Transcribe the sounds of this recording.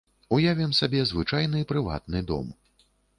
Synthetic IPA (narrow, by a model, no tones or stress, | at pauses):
ujavʲɛmsabʲɛzvɨt͡ʂajnɨipɾɨva̰t̪̚nɨd̪ɔ̰m